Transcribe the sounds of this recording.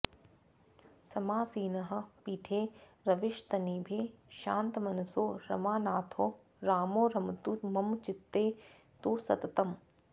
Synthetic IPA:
sɐmaːsiːnɐɦɐ̆piːʈʰeːɾɐʋɪʃt̪ɐniːbʱeːʃaːnt̪mɐnɐsoːɾɐ̰maːnaːt̪ʰoː | ɾaːmoːɾɐmt̪umɐmt͡ʃɪt̪ːeː | t̪uːsɐ̰t̪ɐt̪ɐm

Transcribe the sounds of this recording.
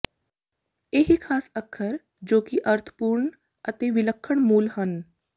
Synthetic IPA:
eːɦikʰaːsəkʰːəɾ | d͡ʒoːkɪʔəɾt̪ʰə̥puːɾɳ | ət̪eːʋɪləkʰːəɳ̃muːlhən

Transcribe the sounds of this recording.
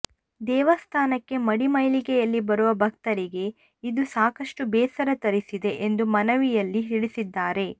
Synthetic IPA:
d̪ɛːʋɐst̪ʰaːnɐkːe̞mɐɽimɐjlikɛjɐlːibɐɾuʋɐbʱɐk̚t̪ɐɾiɡe̞ | id̪usaːkɐʂʈubɛːsɐɾɐt̪ɐɾisid̪e̞ʔend̪umɐnɐʋijɐlːiɦiɽisid̪ːaːɾe̞

